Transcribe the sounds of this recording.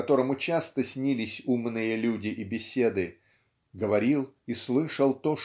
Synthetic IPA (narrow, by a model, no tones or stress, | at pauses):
ɐt̪o̞ɾəmʊt͡ɕast̪əsʲnʲilʲɪsʲumnɨjəlʲudʲɪʔibʲɪsʲe̞d̪ɨ | ɡəvɐɾʲilˠislˠɨʂəlˠt̪o̞ʂ